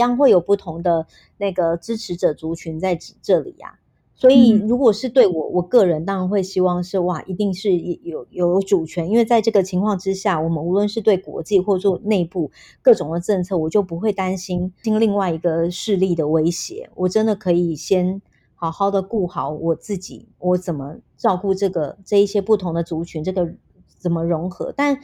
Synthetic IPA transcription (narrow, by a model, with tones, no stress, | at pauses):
jɑ˥ŋxwe˥˩ɪjo˨˩ʊpu˥˩t̪ʰʊ˧˥ŋd̪ə˧ | na˥˩ɪɡə˩ʈ͡ʂɻ̩˥ʈ͡ʂʰɻ̩˧˥ʈ͡ʂɤ˨˩t͡su˧˥t͡ɕʰy˧˥nt͡sa˥˩ɪʈ͡ʂɻ̩˨˩ʈ͡ʂɤ˥˩lḭ˨˩˦a̰˩ | swɔ˧˥i˨˩ɻu˧˥kwɔ˨˩ʂɻ̩˥˧t̪we˥˩ɪwɔ˨˩wɔ˨˩kɤ˥˩ɻə˧˦nt̪ɑ˥ŋɻa˧˥nxwe˥˩ɪɕi˥wɑ˥˧ŋʂɻ̩˥˧wa˥˩ʔi˧˥t̪i˥˧ŋʂɻ̩˥˩jɛ˨˩jo˨˧˩ʊjo˨˧˥ʊʊʈ͡ʂu˨˩t͡ɕʰɥɛ˧˥ni˥nwe˥˧t͡sa˥˧ɪʈ͡ʂɤ˥˩ɡə˩t͡ɕʰi˧˥ŋkʰwɑ˥˩ŋʈ͡ʂɻ̩˥ɕja˥˩wɔ˨˩mə˦nu˧˥lwə˥˧nʂɻ̩˥˧t̪we˥˩ɪkwɔ̰˧˥t͡ɕi˥˧xwɔ˥˧t͡sʰɔ˥˧ne˥˧ɪpu˥˧ | kɤ˥˩ʈ͡ʂʊ˨˩ŋd̪ə˦ʈ͡ʂɤ˥˧nt͡sʰɤ˥˩wɔ˨˩t͡ɕjo˥˩ʊpu˧˥xwe˥˩ɪt̪a˥nɕi˥ni˥nli˥˧ŋwa˥˩ɪi˧˥ɡə˧ʂɻ̩˥˧li˥˩d̪ə˩we˥ɪɕjɛ̰˧˦wʔɔ˨˩ʈ͡ʂə˦˥nd̪ə˨kʰɤ˧˥i˨˩ɕjɛ˥n | xɑ˨˩ʊxɑ˥˩ʊd̪ə˩ku˥˩xɑ˧˥˦ʊwɔ˨˩t͡sɹ̩˥˩t͡ɕḭ˨˩˦ | wɔ˧˥t͡sə˨˩nmə˦ʈ͡ʂɑ˥˧ʊku˥˧ʈ͡ʂɤ˥˩ɡə˩ʈ͡ʂɤ˥˧i˥˩ɕjɛ˥pu˥˩t̪ʰʊ˧˥ŋd̪ə˧t͡su˧˥t͡ɕʰy˧˥nʈ͡ʂɤ˥˩ɡə˩ | t͡sə˨˩nmə˦ɻʊ˧˥ŋxɤ̰˧˥t̪a˥˩n